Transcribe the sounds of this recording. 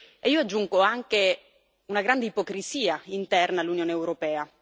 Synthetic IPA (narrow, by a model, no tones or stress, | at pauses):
eiːoad͡ʒːuŋɡoaŋke | unaɡɾand̪eipokɾiziːaint̪ɛrnalːunjoːneːwɾopɛːa